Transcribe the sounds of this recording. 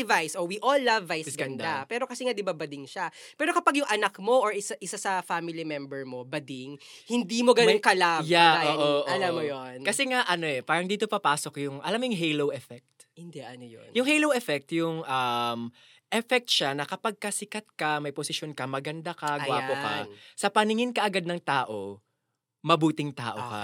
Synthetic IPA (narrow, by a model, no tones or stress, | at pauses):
vajsowiʔolːavːajssɡɐnd̪apɛːɾo̞kɐsɛŋad̪ɪbabɐd̪ɪŋʃapɛːɾo̞kɐpaɡjʊŋʔɐnɐkmo̞ʔoɹʔɪsaʔɪsasɐfamɪlimɛmbɛɹmo̞bɐd̪ɪŋ | hɪnd̪imo̞ɡɐnonkɐlajaoːʔoʔʔɐlamːojonkɐsɛŋaʔɐno̞ʔɛpaːɾɐŋd̪iːt̪opɐpaːsokjʊŋʔɐlamjʊŋɦejlowʔɛfɛk̚t̪ | hɪnd̪ɛʔɐnojo̰njʊŋhejlowɛfɛk̚t̪jʊŋʔɐm | ʔɛfɛk̚t̪̚ʃanɐkɐpɐɡ̚kɐsɪkɐt̪̚kɐmɐjposɪʃjonkɐmɐɡɐnd̪akɐɡwaːpokɐ̰sɐpɐnɪŋɪnkɐʔɐɡad̪̚nɐŋt̪aːʔo̞ | mɐbuːt̪ɪŋt̪a̰ːʔokɐ̰